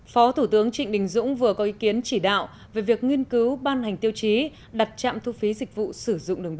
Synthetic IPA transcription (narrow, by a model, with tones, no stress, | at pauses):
fɔ˨˦t̪ʰu˧˩t̪ɨ˨˦əŋt͡ɕï˧˨ŋ̟ɗï˨˩ŋ̟zʊ̰˧˥ŋ͡mvɨ˨˩əkɔ˨˦ʔi˨˦ki˨˦ənt͡ɕi˧˩ɗa̰ː˧˨w | ve˨˩vi˨˩ək̚ŋwi˧ənkɨ˨˦wɓaː˧nha˨˩jŋ̟t̪i˧əwt͡ɕi˨˦ | ɗa˨˩t̚t͡ɕa̰ː˧˨mt̪ʰu˧fi˨˦zï˨˩k̟̚vṵ˧˨sɨ˧˩zʊ̰˧˨ŋ͡mɗɨ˨˩əŋɓ